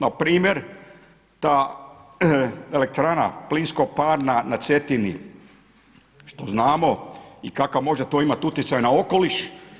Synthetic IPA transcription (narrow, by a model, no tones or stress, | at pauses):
napɾiːmjeɾ | t̪aː | ele̞k̚t̪ɾaːna̰plinskopaːɾnanat̪se̞t̪ini | ʃt̪o̞znaːmo̞ikakamo̞ʒet̪oːimat̪ut̪jesajnao̞ko̞liʃ